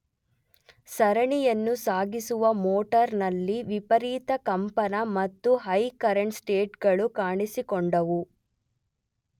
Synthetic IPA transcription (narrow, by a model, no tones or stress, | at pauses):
sɐɾɐɳijɐnːusaːɡisuʋɐmoːʈɐɾnɐlːiʋipɐɾiːt̪ɐkɐmpɐnɐmɐt̪ːuɦɐjkɐɾɐɳʈsʈeːʈɡɐɭukaːɳisikɔɳɖɐʋu